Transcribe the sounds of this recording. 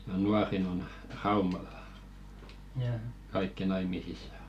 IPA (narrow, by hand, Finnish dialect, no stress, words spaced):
jɑ nuɑrin on rɑumɑlˑɑ̥ kɑikːi nɑimisisˑɑ